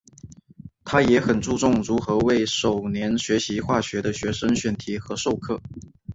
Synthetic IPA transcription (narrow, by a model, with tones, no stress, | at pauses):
t̪ʰa˥jɛ˧˥xə˨˩nt͡su˥˧ʈ͡ʂʊ˥˩ŋɻu˧˥xɤ˧˥we˥˩ɪʂo˨˩ʊnjɛ˧˥nɕɥɛ˧˥ɕi˧˥xwa˥˩ɕɥɛ˧˥d̪ə˧ɕɥɛ˧˥ʂə˥ŋɕɥɛ˧˥˩nt̪ʰi˧˥xɤ˧˥ʂo˥˧ʊkʰɤ˥˩